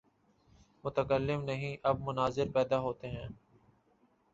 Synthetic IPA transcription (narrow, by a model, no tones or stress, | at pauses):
mʊt̪əkəlːɪmnɐɦĩʔɐb̚mʊnaːzɪɾpɛːd̪aɦoːt̪eɦɛ̃ː